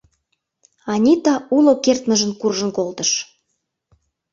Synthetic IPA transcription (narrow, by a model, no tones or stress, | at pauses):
ɑnʲit̪ɑulokert̪nə̆ʒə̆nkurʒə̆nkolt̪ə̆ʃ